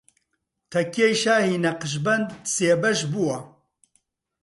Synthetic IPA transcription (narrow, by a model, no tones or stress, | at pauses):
t̪ʰɐkʰejʃaːhiːnɐqɨʃ̬bɐnd̪seːbɐʃbuwɐ